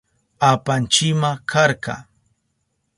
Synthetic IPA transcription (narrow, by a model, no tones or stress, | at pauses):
apant͡ʃɪmakʰaɾkɑ̰